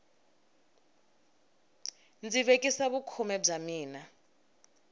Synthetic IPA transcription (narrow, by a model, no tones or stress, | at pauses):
nd͡ziβekʼisaβukʰumɛb͡ʐamiːna